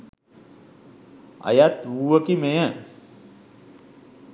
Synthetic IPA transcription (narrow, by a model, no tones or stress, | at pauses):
ə̰jat̪uːʋəkimejə